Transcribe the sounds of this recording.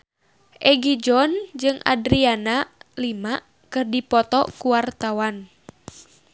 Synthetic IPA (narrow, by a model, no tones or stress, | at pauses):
ʔɛɡid͡ʒɔnd͡ʒɨŋʔa̰dɾianalima | kɨrdipɔt̪ɔkuwart̪awan